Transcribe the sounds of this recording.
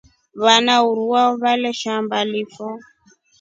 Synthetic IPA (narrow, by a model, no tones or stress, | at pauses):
βanauɾuwaɔβalɛʃambalifɔ